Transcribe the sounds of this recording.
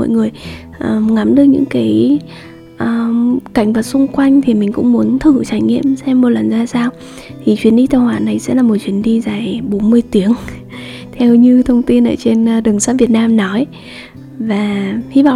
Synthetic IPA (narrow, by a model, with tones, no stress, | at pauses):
ɔ̰˧˨jŋɨ˨˩əj | ʔəː˨˩ŋa˨˦mɗɨ˨˧˩ək̚ɲɨ̰˧˥ŋkaː˨˦j | ʔəː˧˩ka˧˩jŋ̟vaː˨˩t̚sʊ˧ŋ͡mkwa˧jŋ̟t̪ʰi˨˩mï˨˩ŋ̟kʊ̰˧˥ŋ͡mmu˨˦ənt̪ʰɨ˧˩t͡ɕaː˧˩jŋḭ˧˨əmsɛ˧mːo˨˩t̚lə˨˩nzaː˧saː˧w | t̪ʰi˨˩t͡ɕwi˨˦ənɗi˧t̪a˧˩whwaː˨˩na˨˩jsɛ̰˧˥laː˨˩mo˨˩t̚t͡ɕwi˨˩ənɗi˧zaː˨˩jɓo˨˦nmɨ˧əjt̪i˨˦əŋ | t̪ʰɛ˧wɲɨ˧t̪ʰə˧wŋ͡mt̪i˧nʔə̰ː˧˩t͡ɕe˧n˧ɗɨ˨˩əŋsaː˦˥vi˨˩ət̚naː˧mnɔ˨˦j | vaː˨˩hi˧v̰